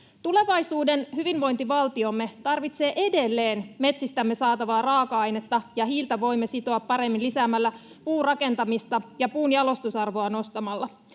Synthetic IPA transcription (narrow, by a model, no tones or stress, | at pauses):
t̪ule̞ʋɑjsuːde̞nhyʋinʋo̞jnt̪iʋɑlt̪io̞mːe̞t̪ɑrʋit̪se̞ːʔe̞de̞lːe̞ːnme̞t̪sist̪æmːe̞sɑːt̪ɑʋɑːrɑːkɑɑjne̞t̪ːɑjɑɦiːlt̪ɑʋo̞jmːesit̪o̞ɑpːɑɾe̞mːinlisæːmælːæ | puːrɑke̞nt̪ɑmist̪ɑjɑpuːnjɑlo̞st̪usɑrʋo̞ɑno̞st̪ɑmɑlːɑ